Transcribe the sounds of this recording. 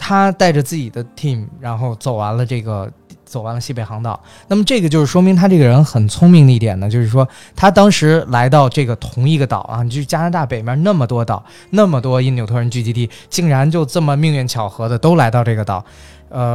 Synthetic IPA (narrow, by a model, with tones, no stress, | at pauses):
t̪ʰa˥t̪a˥˩ɪʈ͡ʂə˩t͡sɹ̩˥˩t͡ɕi˨˩d̪ə˦t̪ʰi˥˩mɻa˧˥nxo˥˩ʊt͡so˨˩ʊwa˧˥nlə˧ʈ͡ʂɤ˥˩ɡə̰˩ | t͡so˨˩ʊwa˧˥nlə˧ɕi˥˩pe˨˩ɪxɑ˧˥ŋt̪ɑ̰˨˩˦ʊ | na˥˩mə˩ʈ͡ʂɤ˥˩ɡə˩t͡ɕjo˥˧ʊʂɻ̩˥˩ʂwɔ˥mi˧˥ŋt̪ʰa˥ʈ͡ʂɤ˥˩ɡə˩ɻə˧˥nxə˨˩nt͡sʰʊ˥ŋmi˥˧ŋd̪ə˧i˥˩jɛ̰˨˩nd̪ə˦t͡ɕjo˥˧ʊʂɻ̩˥˩ʂwɔ˥ | t̪ʰa˥t̪̬ɑ˥ŋʂɻ̩˧˥la˧˥ɪt̪ɑ˥˧ʊʈ͡ʂɤ˥˩ɡə˩t̪ʰʊ˧˥ŋi˥˩ɡə˩t̪ɑ̰˨˩ʊʔɐ̰˧˩ni˨˩˧t͡ɕja˥na˧˥t̪a˥˩pe˨˩ɪmʲjɐ˧˥na˥˩mə˩t̪wɔ˥t̪ɑ˨˩ʊ | na˥˩mə˩t̪wɔ˥i˥˩njo˨˩ʊt̪ʰɔ˥ɻə˧˥nt͡ɕy˥˩t͡ɕi˧˥t̪i˥˩ | t͡ɕi˥˩ŋɻa˧˥nt͡ɕjo˥˧ʊʈ͡ʂɤ˥˩mə˩mi˥˧ŋɥɛ˥˩nt͡ɕʰjɑ˨˩ʊxɤ˧˥d̪ə˧t̪o˥ʊla˧˥ɪt̪ɑ˥˧ʊʈ͡ʂɤ˥˩ɡə˩t̪ɑ˨˩˦ | ə˧